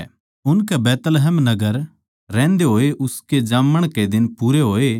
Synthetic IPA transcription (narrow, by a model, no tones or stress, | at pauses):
ʊnkɛbɛːt̪lɦɛːmnɐɡəɾ | ɾɛ̃ːnd̪eɦoːeʔʊsked͡ʒãːməɽ̃ked̪ɪnpuːɾeɦoːeː